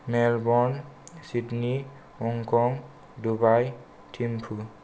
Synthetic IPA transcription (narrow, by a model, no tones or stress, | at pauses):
mɛlbɔnsidni | hɔŋkɔŋ | dubaj | tʰimpʰu